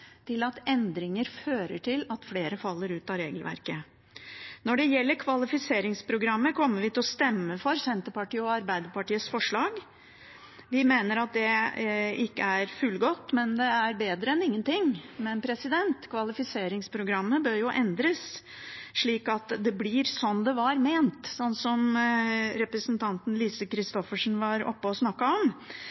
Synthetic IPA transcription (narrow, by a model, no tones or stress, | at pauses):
t̪ʰɪlɑt̪ɛnd̪ɾɪŋəɾføːɾəʈʰɪlɑt̪fleːɾəfɑlːəɾʉːt̪ɑɾeːɡəlʋæ̰ɾkə | nɔɖɛjɛlːəɾkʰʋɑlɪfɪseːɾɪŋspʰɾʊɡɾɑmːəkʰɔmːəɾʋɪt̪ʰɪlɔst̪ɛmːəfɔɾsɛnt̪əpɑʈiːəɔɑɾbæɪd̪əpɑʈiːəsfɔʂɭɑːɡ | ʋɪmeːnəɾɑt̪̚d̪ɛ | ɪkːəæɾfʉlɡɔt̪ːmɛnd̪ɛæɾbeːd̪ɾəɛnɪŋːənt̪ɪŋːmɛnpʰɾɛsɪd̪ɛnt̪kʰʋɑlɪfɪseːɾɪŋspʰɾʊɡɾɑmːəbøːɾjʊʔɛnd̪ɾəs | ʂɭiːkɑt̪d̪ɛblɪɾsɔnd̪ɛʋɑɾmeːnt̪sɔnt̪sɔm | ɾɛpɾəsnt̪ʰɑnt̪n̩liːsəkʰɾɪst̪ɔfəʂn̩ʋɑɾɔ̰pːəɔsnɑkːɑɔm